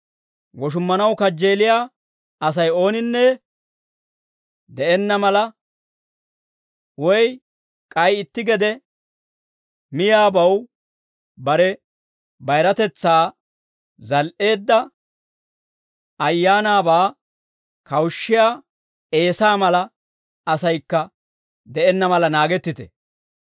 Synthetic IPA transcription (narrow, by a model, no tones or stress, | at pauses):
wɔʃ̬ʊmːɐnɐwkɐd͡ʒːe̞ːlɪjaː | ɐs̬ɐjo̞ːnɪnːɛ | d̪ɛʔɛnːɐmɐlɐ | wɔj | kʼɐjɪt̪ːɪɡɛd̪ɛ | mɪjaːbɐw | bɐɾɛ | bɐjɾɐt̪ɛt͡sːaː | zɐlʔe̞ːd̪ːɐ | ɐjːaːnaːbaː | kɐwʃːɪja | e̞ːsaːmɐlɐ | ɐsɐjkːɐ | d̪ɛɛnːɐmɐlɐnaːɡɛt̪ːɪt̪ɛ̰